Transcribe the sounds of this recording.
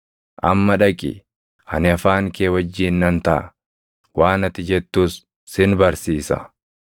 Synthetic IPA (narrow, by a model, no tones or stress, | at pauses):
ʔɐmːɐᶑɐkʼɪ̰ | hɐnɪɐfaːŋkeːwɐd͡ʒːiːnːɐnt̪ɐʔɐ̰ | waːnɐt̪ɪd͡ʒɛt̪ːuːsː | ɪnbɐɾsiːsɐ̰